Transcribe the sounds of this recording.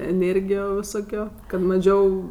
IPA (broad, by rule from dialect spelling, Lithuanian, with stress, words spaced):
ɛˈnʲeːrʲɡʲɪjoː ʋʲɪˈsoːkʲoː kɐt mɐˈʒʲɛʊ